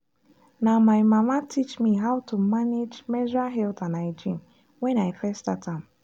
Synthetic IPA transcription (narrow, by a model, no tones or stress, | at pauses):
namaɪmamatʰit͡ʃmiɦaʊtʰumaned͡ʒmɛzaɦɛltanaɪd͡ʒĩm | wɛ̃naɪfɛstatãm